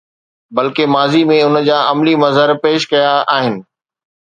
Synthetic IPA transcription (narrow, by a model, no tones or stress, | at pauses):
bɐlkemaːzimẽʊnəd͡ʑaːɐmlimɐzɦəɾpeːʃkɐjaaːɦɪnɪ̆